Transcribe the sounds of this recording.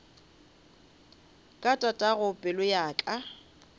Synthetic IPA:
kʼatʼatʼaɣʊpʼɪlʊjaːkʼa

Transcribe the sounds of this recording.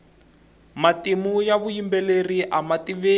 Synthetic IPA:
matimujaβujimbɛleriʔamatiβe

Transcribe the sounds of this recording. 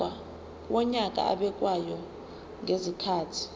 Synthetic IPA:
a | wɔɲak̬ʼa̰a̰ɓɛk̬ʼwajɔ | ŋezikʰaːtʰi̥

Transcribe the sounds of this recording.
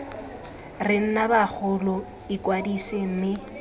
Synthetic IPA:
rɪn̩nabak͡xʰʊlɔ | ɪkʼwadisem̩mɪ

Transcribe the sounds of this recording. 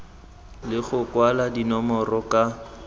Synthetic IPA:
lɪɣʊkwaladinɔmɔrɔka

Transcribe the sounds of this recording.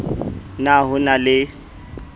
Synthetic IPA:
naɦʊnalɪ

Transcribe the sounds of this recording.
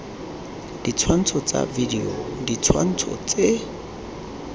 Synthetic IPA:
d̥it͡sʰwan̩t͡sʰɔt͡sʼa̰vidiodit͡sʰwa̰n̩t͡sʰɔ̰t͡sʼe

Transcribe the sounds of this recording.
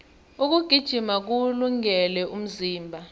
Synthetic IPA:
uk̬uɡ̥ʱid̥ʒ̥ʱimak̬uluŋɛlɛʔum̩ziːmbʱa

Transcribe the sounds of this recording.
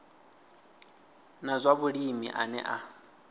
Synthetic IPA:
nazʷaβuɺimḭʔa̰nɛ̰ʔa

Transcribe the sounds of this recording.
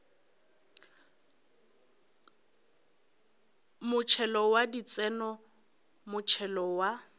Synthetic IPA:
mʊt͡ʃʰɛlɔwadit͡sɛnɔ | mʊt͡ʃʰɛlɔwa

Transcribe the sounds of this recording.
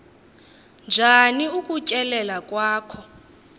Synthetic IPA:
nd͡ʒʱaniukʼucʼɛlɛlakʼwaːkʰɔ

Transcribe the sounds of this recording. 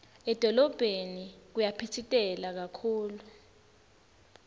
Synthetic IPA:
ɛd̥ʱɔlɔb̥ʱenik̬ujapʰitʰitʼɛlak̬akʰuːlu

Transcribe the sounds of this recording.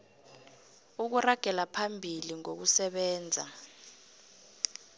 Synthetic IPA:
uk̬uraɡ̥ʱɛlapʰambʱiliŋok̬usɛɓɛːnd͡zʱa̰

